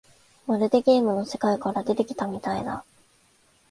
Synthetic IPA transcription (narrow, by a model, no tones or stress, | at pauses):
maɾɯd̪e̞ɡʲe̞ːmɯ̟no̞se̞kaikaɾad̪e̞t̪e̞kʲi̥t̪amʲit̪aina̰